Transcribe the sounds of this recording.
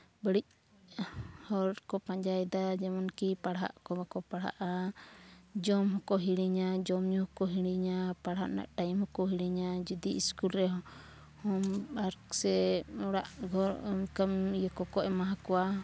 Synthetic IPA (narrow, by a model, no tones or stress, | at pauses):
bəɽic̚ | hɔɾɾkɔpaɲd͡ʒajd̪ad͡ʒɛmɔnkipaɽɦa̰ʔkɔbakɔpaɽa̰ʔa | d͡ʒɔmɦɔkɔɦiɽiɲad͡ʒɔmɲuhɔkɔɦiɽiɲapaɽɦa̰ʔna̰ʔʈajimhɔkɔɦiɽiɲad͡ʒud̪iʔiskulɾɛɦɔ | hɔmbaɾksɛɔɽa̰ʔɡɔɾmkamjɔkɔkɔʔɛmaɦakɔwa